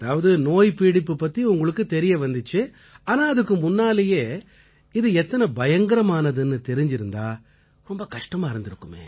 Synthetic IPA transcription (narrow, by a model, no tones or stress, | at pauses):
ɐðaːʋɐðɯnoːjpiːɽɪpːɯpːɐt̪ːiʊŋɡɐɭɯkːɯt̪ɛɾɪjɐʋɐnd̪ɯt͡ʃːɯ | aːnaːɐðɯkːɯmʊnːaːlɐjeː | ɪðɯɛt̪ːɐnɐbɐjɐŋɡɐɾɐmaːnɐðɯnːɯt̪ɛɾɪɲd͡ʒɪɾɯnd̪aː | ɾɔmbɐkɐʂʈɐmaːɪɾɯnd̪ɪɾɯkːɯmḛː